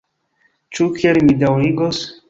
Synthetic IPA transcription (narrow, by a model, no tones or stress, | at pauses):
t͡ʃukielmidawɾiɡos